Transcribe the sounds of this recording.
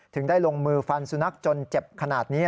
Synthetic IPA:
t̪ʰɯ˩˦ŋdaː˥˩jlo˧ŋmɯː˧fa˧nsu˧na˦˥k̚t͡ɕo˧nt͡ɕe˨˩p̚kʰa˧naː˨˩t̪̚niː˦˥

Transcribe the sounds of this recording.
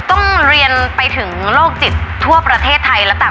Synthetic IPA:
t̪ɔ˥˩ŋɾi˧ənpa˧jt̪ʰɯ˩˦ŋloː˥˩k̚t͡ɕi˨˩t̪ʰːu˥˩əpɾa˧t̪ʰeː˥˩t̪ʰːa˧jlɛ˦˥t̪aː˨˩

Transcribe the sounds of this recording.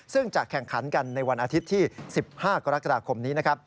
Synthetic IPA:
sɯ˥˩ŋt͡ɕa˨˩kʰːɛ˨˩ŋkʰa˩˦nka˧nːa˧jwa˧nʔaː˧t̪ʰi˦˥t̪ʰːiː˥˩si˨˩p̚haː˥˩ka˧ɾa˦˥ka˧daː˧kʰo˧mniː˦˥na˦˥kʰɾa˦˥p̚

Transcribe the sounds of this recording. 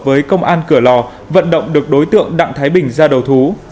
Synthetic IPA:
vəː˨˦jkə˧wŋ͡mʔaː˧nkɨ˧˩əlɔ˨˩ | və̰˧˨nɗə̰˧˨wŋ͡mɗɨ˨˩ək̚ɗo˨˦jt̪ɨ̰˧˨əŋɗa̰˧˨ŋt̪ʰaː˨˦jɓï˨˩ŋ̟zaː˧ɗə˨˩wt̪ʰu˨˦

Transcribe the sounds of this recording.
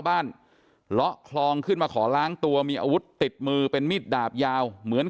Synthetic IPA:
wbaː˥˩n | lɔ˦˥ʔkʰlɔː˧ŋkʰɯ˥˩nmaː˧kʰɔː˩˦laː˦˥ŋt̪u˧ɐmiː˧ʔa̰ː˧wu˦˥t̪ːi˨˩t̪̚mɯː˧pe˧nmiː˥˩t̪̚daː˨˩p̚jaː˧wmɯ˩˦ən

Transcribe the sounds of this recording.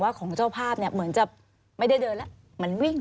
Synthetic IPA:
waː˥˩kʰɔː˩˦ŋt͡ɕaː˥˩wpʰaː˥˩p̚ni˥˩ɐmɯ˩˦ənt͡ɕa˨˩p̚ | ma˥˩jda˥˩jdɤː˧nlɛ˦˥ʔ | mɯ˩˦ənwi˥˩ŋ

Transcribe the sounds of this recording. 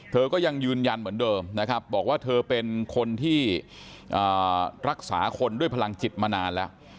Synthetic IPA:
t̪ʰɤː˧kɔː˥˩ja˧ŋjɯː˧nja˧nmɯ˩˦əndɤː˧mna˦˥kʰɾa˦˥p̚bɔː˨˩k̚waː˥˩t̪ʰɤː˧pe˧nkʰo˧nt̪ʰiː˥˩ | ʔəː˨˩ɾa˦˥k̚sa̰ː˩˦kʰo˧ndu˥˩jpʰa˧a˧ŋt͡ɕi˨˩t̪̚maː˧naː˧nlɛ˦˥

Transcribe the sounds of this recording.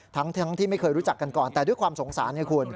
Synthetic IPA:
t̪ʰa˦˥ŋt̪ʰa˦˥ŋt̪ʰiː˥˩ma˥˩jkʰɤː˧jɾuː˦˥t͡ɕa˨˩kːa˧nkɔː˨˩nt̪ɛː˨˩du˥˩jkʰwaː˧mso˩˦ŋsaː˩˦na˧˩kʰu˧ən

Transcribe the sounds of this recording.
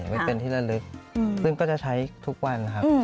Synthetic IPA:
ma˥˩pe˧nt̪ʰiː˥˩ɾa˧˩lɯ˦˥k̚sɯ˥˩ŋkɔː˥˩t͡ɕa˨˩t͡ɕʰa˦˥jt̪ʰu˦˥k̚wa˧nːa˦˥kʰa˦˥˧

